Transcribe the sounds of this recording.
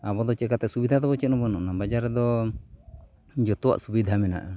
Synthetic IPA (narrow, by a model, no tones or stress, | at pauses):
abɔd̪ɔt͡ʃɛkat̪ɛʔsubid̪ʱad̪ɔbɔt͡ʃɛnɔbɔnɔʔnabad͡ʒaɾɛd̪ɔ | d͡ʒɔt̪uwa̰ʔsubid̪ʱamɛna̰ʔ